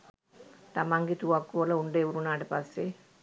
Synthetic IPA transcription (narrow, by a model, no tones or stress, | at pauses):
t̪amaŋɡet̪uʋakːuʋələuɳɖəːʋuɾunaːʈəpasːe